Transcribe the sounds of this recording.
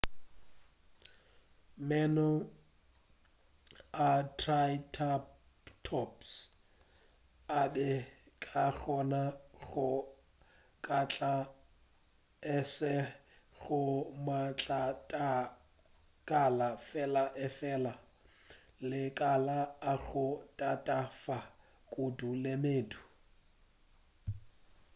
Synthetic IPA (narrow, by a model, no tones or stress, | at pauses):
mɛnɔ | atʰrajtʰa | tʰɔps | abɛkʼaɣʰɔnaɣʊ | kʼat͡ɬʼa | ɛsɪɣʊmat͡ɬʼatʼa | kʼalafɛlaʔɛfɛla | lɪkʼalaːɣʊtʼatʼafa | kʼudulɪmeːdu̥